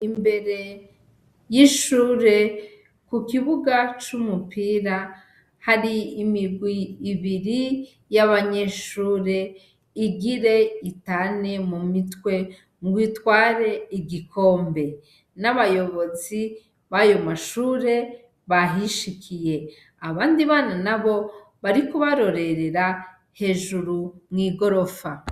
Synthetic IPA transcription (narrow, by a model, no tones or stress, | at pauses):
imbe̞ɾe̞ | jiʃuːɾe̞ | kukiβuɡat͡ʃumupiːɾa | haɾiːmiɾɡwiːβiɾi | jaβaɲe̞ʃuːɾe̞ | iɡiɾe̞itane̞mumitwe̞ | ŋɡwiːtwaːɾe̞iɡikʰo̞ːmbe̞ | naβajo̞βo̞zi | βajo̞maʃuːɾe̞ | βaɦiʃikʰije̞ | aβaːndiβaːnanaβo̞ | βaɾikuβaɾo̞ɾe̞ɾe̞ɾa | he̞ːʒuɾumŋiːɡo̞ɾo̞fa